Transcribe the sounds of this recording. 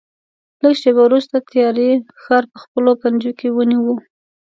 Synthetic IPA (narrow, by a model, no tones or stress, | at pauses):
ləɡʃebawɾust̪at̪jɑɾe | xɑɾpəxpəlopand͡ʒokewəniwu